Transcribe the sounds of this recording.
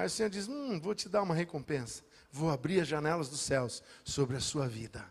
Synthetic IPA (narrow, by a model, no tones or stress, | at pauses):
majʊsẽɲoɾd͡ʒismũvot͡ʃɪd̪aɾũmɐɦekõpẽsɐ̥ | vowabɾiɾɐzʒɐnɛlɐzd̪ʊsɛwsːobɾɪɐsuɐvid̪ɐ